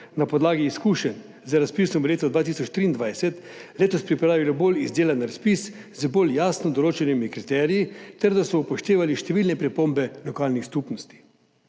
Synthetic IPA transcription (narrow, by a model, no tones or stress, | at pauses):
napɔd̪laːɡiːskuʃɛn | zəɾaspisɔmleːt̪ɔd̪ʋaːt̪isɔt͡ʃt̪ɾiːnd̪ʋajsɛt̪ | leːt̪ɔspɾipɾaːʋilɔbolizd̪eːlanɾaspis | zboljaːsnɔd̪ɔloːt͡ʃɛnimikɾit̪ɛːɾijit̪ɛɾd̪asɔupɔʃt̪eːʋaliʃt̪ɛʋilnɛpɾipombɛlɔkaːlnixskupnɔst̪i̥